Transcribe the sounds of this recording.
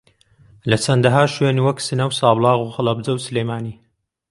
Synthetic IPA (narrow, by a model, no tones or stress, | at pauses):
lɐt͡sʰɐnd̪ɐɦaːʃweːniːwɐksɨnɐwsɑːblˠɑːɣuxɨlˠɐbd͡zɐwsɨlejmaːniː